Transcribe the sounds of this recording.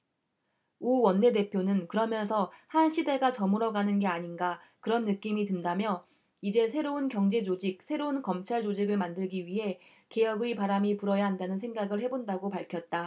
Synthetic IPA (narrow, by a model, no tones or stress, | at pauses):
uwʌnːe̞de̞pʰjonɯnkɯɾʌmjʌnsʰʌhanɕʰide̞ɡat͡ɕʌmɯɾʌɡanɯnɡe̞aɲinɡa | kɯɾʌnːɯk͈imitɯndamjʌ | id͡ʑe̞sʰe̞ɾounkjʌŋd͡ʑe̞d͡ʑod͡ʑik̚sʰe̞ɾounkʌmt͡ɕʰaɭd͡ʑod͡ʑiɡɯɭmandɯɭɡiɥiɦe̞ | ke̞jʌɡuipaɾamipuɾʌjaɦandanɯnsʰeŋɡaɡɯɭhe̞bondaɡopaɭkʰjʌt̚t͈a